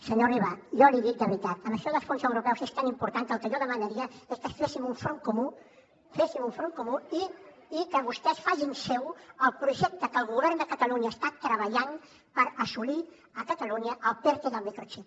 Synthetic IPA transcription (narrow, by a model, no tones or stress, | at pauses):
səɲoriβaʒɔliðik̪̚d̪əβɾit̪at̪əməʃɔðəsfonsəwɾupɛwsest̪animpuɾt̪ant̪əlˠkəʒɔðəmənəɾiəeskəsfesimuɱfɾoŋkumu | fesimuɱfɾoŋkumuiː | kəβust̪ɛsfaʒinsɛwəlˠpɾuʒɛk̚t̪əkəlˠɣ̞uβɛɾnd̪əkət̪əluɲəːst̪at̪ɾəβəʎan | pəɾəsuli | əkət̪əluɲəʔəlˠpɛɾk̪eðəlˠmikɾot͡ʃip